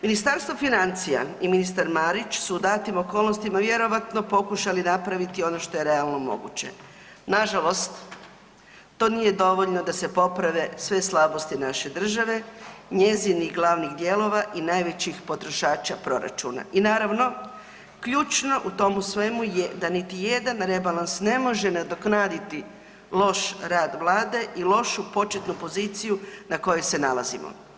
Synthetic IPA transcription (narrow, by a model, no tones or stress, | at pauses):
minist̪aɾst̪ʋofinant̪sija̰iminist̪aɾmaɾit͡ɕsud̪aːt̪imokolˠnost̪imaʋje̞ɾo̞ʋat̪no̞po̞kuʃalinapɾaʋit̪io̞no̞ʃt̪o̞jeɾe̞alˠno̞mo̞̰ɡṵt͡ɕḛ | naʒalo̞st̪ | o̞ːnije̞d̪o̞ʋo̞ʎno̞d̪ase̞po̞pɾaʋe̞sʋe̞slˠabo̞st̪inaʃe̞d̪r̩ʒaʋe̞ɲe̞ziniɣɡlˠaːʋniɣd̪je̞lˠo̞ʋaʔinajʋe̞t͡ɕixpo̞t̪ɾo̞ʃaːt͡ʃapɾo̞ɾa̰t͡ʃṵna̰ʔinaːɾaʋno̞ | kʎuːt͡ʃno̞ʔut̪o̞musʋe̞mujed̪anit̪ijed̪anɾe̞balansne̞mo̞ʒenad̪oknaːd̪it̪i | lo̞ʃɾaːd̪ʋlˠaːd̪e̞ʔilo̞ʃupo̞t͡ʃet̪nupo̞ziːt̪sijunako̞jese̞nalazimo̰